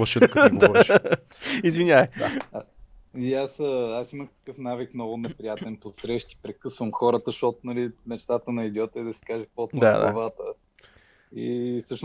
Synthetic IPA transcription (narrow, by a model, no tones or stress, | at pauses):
ɐʃɛtkɡd̪ɔɾ | izvinʲaəa | iasəasiməxt̪ə̥kɤfnavikmnɔɡʊnɛpɾijat̪ɛnpot̪sɾɛʃt̪i̥pɾɛkɤsvəmxɔɾət̪əʃɔt̪onɐlimɛt͡ʃt̪at̪ənɐid̪ʲjɔt̪ɛd̪ɐsi̥kaʒɛpot̪na̰d̪a̰vat̪ə | ḭsɤʃn